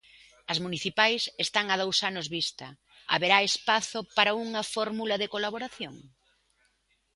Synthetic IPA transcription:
ɐzmuniθipajsest̪aŋað̞owsanʊzβist̪ɐ | a̰βeɾaespaθʊpaɾauŋɐfɔɾmulɐðekolaβoɾaθjoŋ

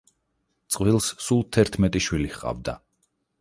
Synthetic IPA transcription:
t̪sʼqʼvilˠssulˠt̪ʰɛɾt̪ʰmɛt̪ʼiʃwilihqʼa̰vd̪a

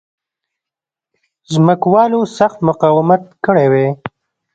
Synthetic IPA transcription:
zməkwɑːlosaxt̪mʊqɑwɪmat̪kəɽewe

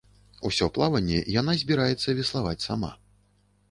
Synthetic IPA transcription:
usʲɔplˠavɐnʲːɛ̰jan̪azʲbʲiɾajɛt̪sːɐvʲɛslˠavat͡sʲsama̰

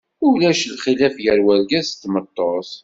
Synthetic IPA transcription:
ʊlæʃlχilæfjəɾwæɾɡæst̪ːmət̪ˤːosˤ

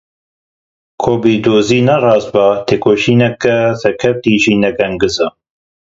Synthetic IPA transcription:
kʰoːbid̪oːziːnɛrɑːz̚bɑt̪ʰeːkʰoːʃiːnɛkɛsɛɾkʰɛft̪iːʒiːnɛɡɐŋɡɨzɑ

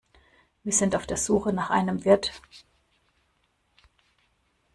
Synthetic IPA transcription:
viːɐzɪntaʊfd̥eːɐz̥uːxənaːχʔa̰ɪnəmvɪɐt

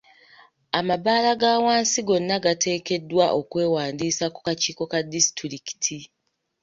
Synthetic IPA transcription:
amaβaːlaɡaːwaːnsiɡo̞nːaɡatʰe̞ːke̞dːwaʔo̞kwe̞ːwaːndiːsaku̥kaciːko̞kadisi̥tɾiki̥tʰi

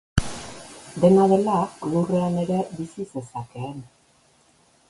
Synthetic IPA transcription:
d̪e̞naðe̞lalure̞ane̞ɾe̞βisise̞sake̞ːn

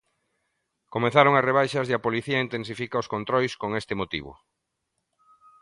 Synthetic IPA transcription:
komeθaɾoŋɐsreβ̞ajʃɐzðeɐpoliθiɐint̪ens̬ifikaoskont̪ɾɔjskoŋest̪ɪmot̪ḭβ̞ʊ̰

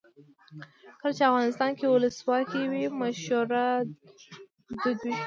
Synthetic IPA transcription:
kəlat͡ʃeafɣɑnɪst̪ɑnkewʊləswɑkiwimaʃuɾa | d̪ʊd̪wi

